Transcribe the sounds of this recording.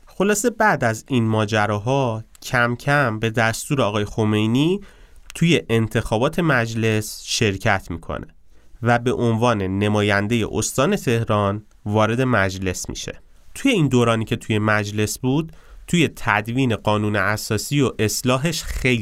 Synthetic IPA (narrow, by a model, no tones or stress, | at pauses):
xo̞lɒːse̞bæʔd̪æzinmɒːd͡ʒæɾɒːɦɒːcʰæmcʰæmbe̞d̪æst̪uːɾeɒːɣɒːje̞xo̞me̞jniːt̪ʰuje̞ʔent̪ʰe̞xɒːbɒːt̪ʰe̞mæd͡ʒle̞sʃe̞ɾcʰæt̪ʰmḭːkʰo̰nʔe̞̰ | væbe̞ʔo̞nvɒːne̞nemɒːjænd̪e̞je̞̰ʔo̰st̪ɒːne̞t̪ʰe̞hɾɒːn | vɒːɾe̞d̪e̞mæd͡ʒle̞smḭʃe̞̰ | t̪ʰuje̞iːnd̪oːɾɒːniːcʰe̞t̪ʰuje̞mæd͡ʒle̞sbuːd̪̥̚t̪ʰːuje̞t̪ʰæd̪viːne̞ɢɒːnuːneæsɒːsiːoʔe̞slɒːɦe̞ʃxejl